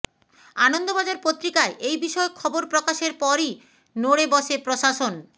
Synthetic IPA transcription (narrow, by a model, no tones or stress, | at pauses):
anond̪obad͡ʑaɾpot̪ːɾikaeʔejbiʃɔekʰːɔboɾpɾokaʃeɾpɔɾi | noɽebɔʃepɾoʃaʃon